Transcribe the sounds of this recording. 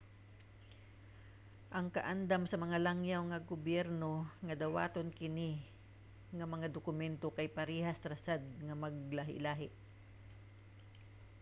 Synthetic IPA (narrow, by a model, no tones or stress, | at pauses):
ʔɐŋkɐʔand̪amsɐmɐŋalaŋjawŋɐɡʊbjɛɾnoŋɐd̪ɐwa̰ːt̪onkɪni | ŋɐmɐŋad̪ʊkʊmɛnt̪okɐjpɐɾiːhast̪ɾɐsad̪̚ŋɐmɐɡ̚laɦɪ̰laːɦɪʔ